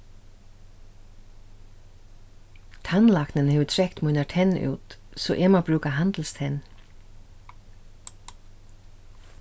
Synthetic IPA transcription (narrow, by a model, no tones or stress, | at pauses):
t̪ʰanlaknənhɛːʋət̪ʰɾɛkt̪muːnat̪ʰɛnṵːt̪sɔʔɛmabɾʉːkaɦand̪l̩st̪ʰɛn